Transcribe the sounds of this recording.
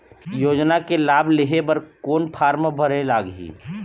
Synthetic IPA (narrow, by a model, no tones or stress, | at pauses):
joːd͡ʒnakelaːbleɦebəɾkoːnpʰaːɾməbʱəɾelaːɡɦḭː